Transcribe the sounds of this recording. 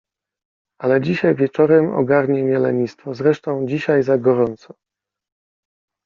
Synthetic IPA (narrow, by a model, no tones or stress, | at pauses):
alɛd͡ʑiɕajvʲjɛt͡ʂɔɾɛmɔ̰ɡaɾɲɛmʲjɛlɛɲist̪fɔzɾɛʂt̪ɔ̃w̃d͡ʑiɕajzaɡɔɾɔnt̪sɔ̥